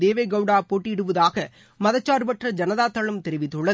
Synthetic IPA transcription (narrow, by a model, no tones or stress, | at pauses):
eːʋeːɡɐʋɽaːpoːʈːiɪɽɯʋɐðaːɣɐ | mɐðɐt͡ʃːaːɾɯpɐʈrɐd͡ʒɐnɐðaːt̪ːɐɭɐmt̪ɛɾɪʋɪt̪ːɯɭːɐ